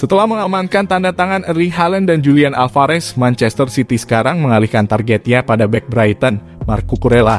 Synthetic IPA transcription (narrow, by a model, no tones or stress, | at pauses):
sət̪əlahməŋamankant̪andat̪aŋanəɾiɦalɛndand͡ʒulianalfaɾɛsmant͡ʃɛst̪ərsit̪isə̥kaɾaŋməŋalihkant̪arɡɛt̪ɲapadabɛk̚bɾajt̪ən | markukuɾela